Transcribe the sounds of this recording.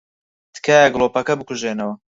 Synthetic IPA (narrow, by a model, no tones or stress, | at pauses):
t̪ɨ̥kʰaːjɐɡloːpɐkɐbɨkʰuʒeːnɐwɐ